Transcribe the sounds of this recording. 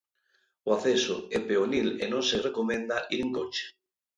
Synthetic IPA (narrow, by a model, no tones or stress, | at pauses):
oaθeso̰epeonilenõŋserekomẽnd̪aʔiɾeŋkot͡ʃe̥